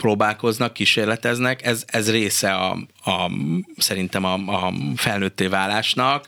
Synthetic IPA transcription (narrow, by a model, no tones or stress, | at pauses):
proːbaːlko̞znɒkːiʃeːrlɛt̪ɛznɛkɛzɛzreːsɛɒ̰ | ɒsɛɾint̪ɛmɒɒfɛlnøːt̪ːeːvaːlaːʃnɒk